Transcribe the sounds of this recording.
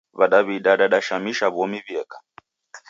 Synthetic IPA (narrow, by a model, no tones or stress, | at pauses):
βaɗaβiɗaɗaɗaʃamiʃaβɔmiβjɛkḁ